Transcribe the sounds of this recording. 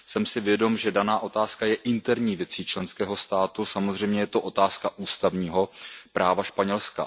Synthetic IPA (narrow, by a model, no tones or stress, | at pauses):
sɛmsɪvjɛdo̞mʒɛdanaːʔo̞t̪aːskajɛʔɪnt̪ɛɾɲiːvjɛt͡siːt͡ʃlɛnskɛːɦo̞st̪aːt̪usamo̞zr̝ɛjmɲɛjɛt̪oʔo̞t̪aːskaʔuːst̪avɲiːɦo̞pɾʔaːvaʃpaɲɛlska̰